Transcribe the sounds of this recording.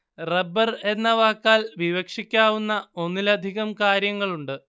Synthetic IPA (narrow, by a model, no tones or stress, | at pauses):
rebːɐre̞nːɐʋaːkːaːlʋiʋɐkʂikʲːaːʋunːɐo̞nːilɐd̪ʱiɣɐmkaːɾjɐŋːɐɭuɳɖɨ